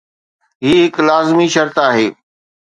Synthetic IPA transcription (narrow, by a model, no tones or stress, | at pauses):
ɦiːɦɪklaːzmiʃɐɾt̪aːɦeː